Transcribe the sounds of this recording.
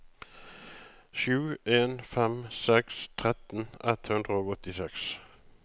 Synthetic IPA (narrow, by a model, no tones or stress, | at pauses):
ʃʉːeːnfɛmsɛkst̪ʰʁɛt̪n̩ɛt̪hʉnd̪ʁəoːɡɔt̪ɪsɛks